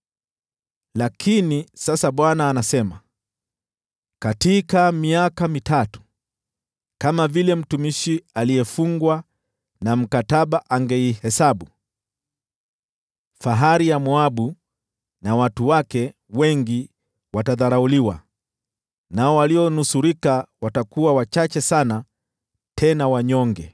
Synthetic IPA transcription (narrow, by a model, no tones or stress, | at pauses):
lakʰinisasaɓwanaːnasɛma | katikamiakamitatu̥ | kamavilɛm̩tumiʃialiɛfuŋɡwa | nam̩kataɓaʔaŋɡɛihɛsaɓu | faɦaɾijamwaɓu | nawatuwakɛ | wɛŋɡi | wataðaɾauliwa̰ | naɔwaliɔnusuɾikawatakuwawat͡ʃat͡ʃɛsana | tʰɛnawaɲɔŋɡɛ